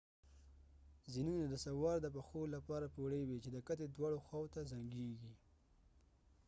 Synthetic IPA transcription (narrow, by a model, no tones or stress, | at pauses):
zinunad̪əsawɑɾd̪əp̬axolapɑɾapoɽəjwet͡ʃed̪əkat̪ed̪wɑɽoxwɑwot̪azaŋɡeɡi